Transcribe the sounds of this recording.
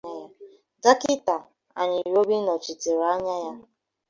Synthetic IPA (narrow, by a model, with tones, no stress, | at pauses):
a˦ja˦ | da˦ki˦ta˨ | a̰˨ɲɪ˨ɾo˦bi˦nɔ˨t͡ʃi˨te˨ɾa˦ɲa˦ja˦